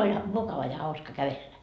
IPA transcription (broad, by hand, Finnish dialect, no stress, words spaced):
olʲ mukɑʋɑ jɑ hɑuskɑ kæʋelːæ